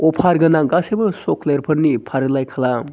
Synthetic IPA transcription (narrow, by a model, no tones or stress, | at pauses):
ɔpʰaɾɡɐnaŋɡasebɐsokleɾpʰɐɾnipʰaɾɯlajkʰala